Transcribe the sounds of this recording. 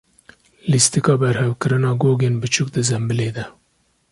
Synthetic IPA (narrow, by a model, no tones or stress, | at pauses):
list̪ikɑːbɛɾhɛwkɨɾɨnɑːɡoːɡeːnbɨt͡ʃʰʊk̚d̪ɨzɛmbɨleːd̪ɛ